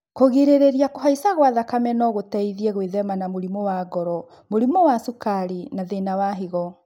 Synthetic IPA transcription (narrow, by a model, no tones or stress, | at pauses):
koɣeɾeɾeɾiakoɦaisaɣwaðakamɛnɔɣotaiðiɛɣweðɛmanamoɾimɔwaɡɔɾɔ | moɾimɔwasukaɾinaðenawaɦiɣɔ